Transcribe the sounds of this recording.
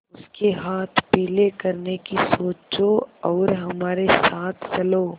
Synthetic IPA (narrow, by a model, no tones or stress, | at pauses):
ʊskeɦaːt̪ʰpiːlekɐɾnekisoːt͡ʃoɔːɾɦɐmaːɾesaːt̪ʰt͡ʃɐloː